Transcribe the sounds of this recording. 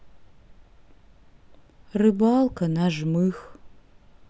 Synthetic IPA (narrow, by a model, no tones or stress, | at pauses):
rɨbaːlkʰɐnaʒmɨx